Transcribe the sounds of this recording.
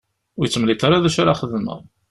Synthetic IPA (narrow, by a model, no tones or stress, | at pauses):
ʊjət͡sːmlit̪ˤɑɾaðæʃaɾaχəðmə̰ʁˤ